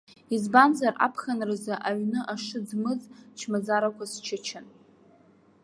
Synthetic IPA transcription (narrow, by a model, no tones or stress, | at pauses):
izbanzara̰pʰχanrɨzaʔaɥnɨʔaʂɨd͡zmɨzt͡ʃʰmazaɾakʷʰast͡ʃʰɪt͡ʃʰɪn